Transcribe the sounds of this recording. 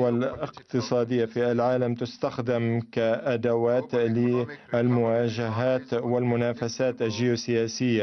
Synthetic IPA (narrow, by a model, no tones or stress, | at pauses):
alʔɪqt̪ɨsˤɑːd̪ɪjːafiːʔalʕaːlamt̪ʊst̪axd̪ɪmkaʔad̪awaːt̪lɪʔalmʊwaːʒaɦaːt̪wɪlmʊnaːfasaːt̪ʔaʒɪjusɪjaːsɪjːa